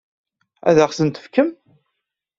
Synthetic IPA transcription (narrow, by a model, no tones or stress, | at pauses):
æ̰ðaχsənt̪ə̥fkəm